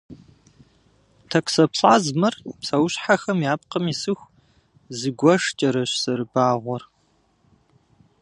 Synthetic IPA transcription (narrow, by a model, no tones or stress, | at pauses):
tʰɐkʷʼsɐpɬʼaːzmɐrpsɐwɕħaxɐmjaːp̚qɐmisɨxʷ | zɨɡʷɔʂt͡ʃʼɐɾɐɕsɐɾɨbaːʁʷɔr